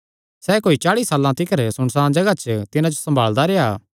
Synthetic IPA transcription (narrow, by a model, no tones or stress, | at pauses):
sɛːkoːit͡ʃaːɽisaːlːãt̪ɪkəɾsʊɽ̃sãːd͡ʒɐɡat͡ʃt̪ɪnãd͡ʒosɐ̃mbʱaːld̪aɾeaː